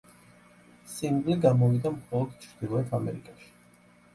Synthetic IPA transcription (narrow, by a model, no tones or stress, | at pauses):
siŋɡliɡamɔvid̪amχɔlˠɔd̪̥t͡ʃʰɾd̪̥ilˠɔɛt̪ʰamɛ̰ɾikʼaʃi̥